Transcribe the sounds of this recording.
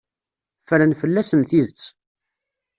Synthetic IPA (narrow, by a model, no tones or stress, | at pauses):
fəɾənfəlːæsənθiðət͡sː